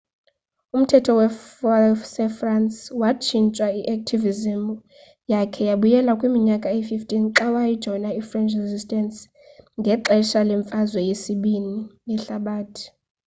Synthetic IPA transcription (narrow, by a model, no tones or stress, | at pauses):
um̩tʰɛtʰɔwɛ | sɛfranswat͡ʃʰint͡ʃʼwaiʔak̚tʰivizim | jakʰɛjaɓujɛlakʼwimiɲakʼaififtʰʼinǁawajid̥ʒ̥ʱɔnaifrɛnt͡ʃʰrɛzistʼɛns | ŋɡʱɛǁɛʃalɛɱfʼazwɛjesiɓininɛɬaɓaːtʰʼi̥